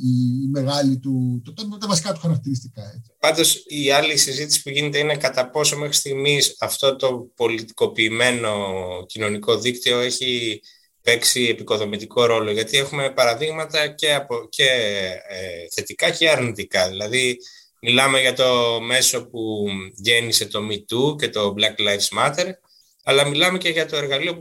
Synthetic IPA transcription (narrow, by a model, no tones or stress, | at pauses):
imeɣɐlit̪ut̪t̪ɐt̪ɐvɐsi̥kɐt̪u̥xɐɾɐk̚t̪iɾist̪ikɐe̥pɐnd̪o̞siɐlisizit̪isi̥puʝine̞t̪eine̞kɐt̪ɐpo̞so̞me̞xɾi̥st̪iɣmisɐft̪o̞t̪o̞po̞lit̪i̥ko̞piːme̞no̞cino̞niko̞ðikt̪io̞e̞çi | pe̞ksie̞piko̞ðo̞mit̪iko̞ɾo̞lo̞ʝɐt̪ie̞xume̞pɐɾɐðiɣmɐt̪ɐce̞ɐpoce̞ | θe̞t̪ikɐce̞ɐɾnit̪ikɐðilɐði | milɐme̞ʝɐt̪o̞me̞so̞puʝe̞nise̞t̪o̞mit̪uce̞t̪o̞blɐklɐjvzmɐt̪e̞ɾ | ɐlɐmilɐme̞ce̞ʝɐt̪o̞e̞ɾɣɐlio̞